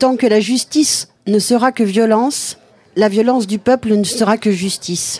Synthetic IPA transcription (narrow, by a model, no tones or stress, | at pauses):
t̪ɑ̃kəlaʒyst̪is | nəsəʁakəvjɔlɑ̃s | lavjɔlɑ̃sd̪ypœplənəsəʁakəʒyst̪is